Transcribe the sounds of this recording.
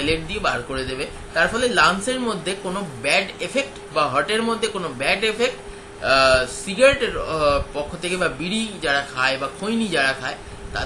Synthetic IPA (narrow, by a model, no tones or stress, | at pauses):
jleʈ̚d̪iebaɾkoɾed̪ebe | t̪aɾfɔlelanseɾmod̪ʱːekonobɛɖefʰek̚ʈ | baɦɔɾʈeɾmod̪ʱːekonobɛɖefek̚ʈ | siɡaɾʈeɾpɔkʰːot̪ʰekebabiɽid͡ʑaɽakʰaebakʰojnid͡ʑaɽakʰae | t̪a̰